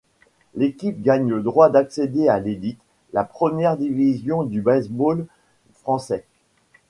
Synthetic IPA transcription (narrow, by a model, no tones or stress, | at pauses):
lekʲip̚ɡaɲləd̪ʁwad̪aksed̪ealed̪it̪ | lapχəmjɛʁd̪ivizjɔ̃d̪ybɛsbol | fχɑ̃sɛ